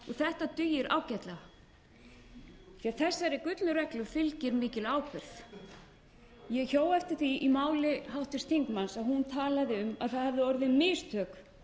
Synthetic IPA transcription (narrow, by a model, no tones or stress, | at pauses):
ɔθɛht̪at̪ʏjɪɾa̰ːwcat̪la | θiaθɛsːaɾɪkʏt̪lʏɾɛklʏfɪlcɪɾmɪːcɪlaːwkʰvɛɾθ | jɛɣçoːwɛft̪ɪɾ̥θiimaːwlɪɦawht̪ɪst̪ʰiŋkmansaðhunt̪ʰaːlaðɪʏma̰ðθaðhavðɪɔɾðɪmɪst̪ʰœːk